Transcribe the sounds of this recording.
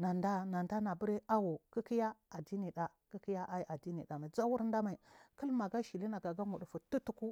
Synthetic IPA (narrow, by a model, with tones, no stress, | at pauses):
na˨nda˦na˨nda˦na˨bu˦ɾi˦a˦wo˨ki˦ki˦ja˦a˨di˦ni˨ɗa˨ | ki˦ki˦ja˦ʔa˦i˦ʔa˨di˦ni˨ɗa˨ma˨i˨d͡za˦wu˦ɾnda˦ma˨i˨kə˦lma˨ɡa˦ʃi˨li˦na˨ɡa˨ɡa˦mu˨ɗu˨fu˨tu˦tu˦ku˦